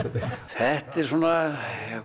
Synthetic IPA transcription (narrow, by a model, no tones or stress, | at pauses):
æht̪ːesunːɑ